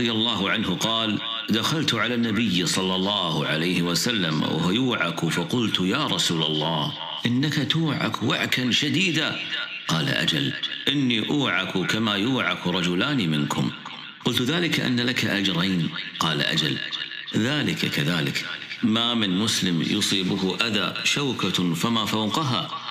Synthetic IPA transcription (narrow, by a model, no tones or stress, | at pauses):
ðɪjalˤːɑːɦʊʕanhʊqɑːl | d̪axalt̪ʕalanːabɪjːsˤɑlːɑlˤːɑːhʕalajhɪwasalːamʔa̰whjuːʕakufɑqʊlt̪jaːɾˤɑsuːlɑlˤːɑːh | ʔɪnːakat̪uːʕa̰kwa̰ʕkanʃad̪iːd̪a | qɑːla̰ʔa̰d͡ʒalʔɪnːiʔuːʕakukamajuːʕakɾˤɑd͡ʒʊlaːnimɪnkʰʊ̰m | qʊlt̪ðaːlɪkaʔa̰nːalakaʔad͡ʒɾˤejnqɑːla̰ʔa̰d͡ʒa̰l | ðaːlɪkakaðaːlɪkmamɪnmʊslɪmjʊsˤiːbʊhʊʔaða̰ʃawkafamafawqʊɦa